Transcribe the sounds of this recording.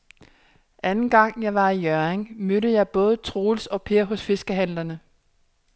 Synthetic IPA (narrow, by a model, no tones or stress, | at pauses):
ʔænn̩ɡ̥ɑ̈ŋ̰jɑ̈ɪʋɑ̈ijœɐeŋmøɾəjɑ̈ɪb̥ɔ̽ːð̞ˠt͡sʰʁoːlsɒ̽pʰe̝ɐ̰ɦɔ̽sfe̝sɡ̥əɦæn̰lɐnə